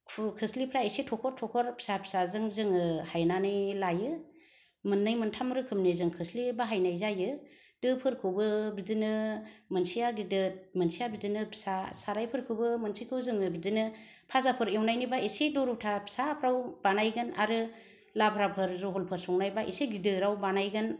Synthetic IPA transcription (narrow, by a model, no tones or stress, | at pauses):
kʰkʰɯslipʰɾaisitʰɔkʰɔɾtʰɔkʰɔɾpʰi̥sapʰi̥sazɯŋzɯŋɯhajnanɯjlajɯ | mɯnːɯjmɯntʰamɾɯkʰɯmnizɯŋkʰɯslibaɦajnajzajɯ | d̥ɯpʰɯɾkʰɯbɯbidinɯmɯnsijaɡidɯmɯnsijabidɯnɯpʰi̥sasaɾajpʰɯɾkʰɯwbɯmɯnsijkʰɯwzɯŋɯbidɯnɯ | pʰazapʰɯɾewnajnibaisedɔɾutʰapʰi̥sapʰɾawbanajɡɯna̰ɾɯ | labʰɾapʰɯɾzɔɦɔlpʰɯɾsɔŋnajbaʔḭseɡidɯɾawbanajɡɯn